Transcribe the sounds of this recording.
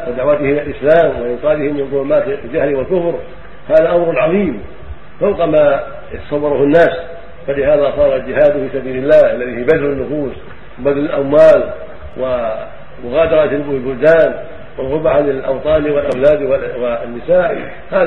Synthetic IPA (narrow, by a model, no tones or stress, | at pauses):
wɪd̪aʕwat̪ɪhɪmɪlʔɪslaːmwɪʔɪnqɑːd̪ɪhɪmːɪnðˤʊlʊmaːt̪ld͡ʒahlwɪlkʊfɾ | haːðaʔamɾʕɑðˤiːm | fawqama | jt̪ɑ̥sɑwːɑɾˤʊhʊnːaːs | falɪhaːðasˤɑːɾˤɑld͡ʒɪhaːd̪fiːsabiːlɪlːaːhʔalːaðiːhibad̪lʊnːʊfuːs | wɪbad̪lɪlʔamwaːl | wʔɪ | mʊɣaːd̪ɑɾˤɑt̪ɪlɪlbʊld̪aːn | wɪlɣʊbaʕalɪlʔɑ̰wt̪ˤɑːliwɪlʔawlaːd̪wwɪnːɪsaːʔ | haː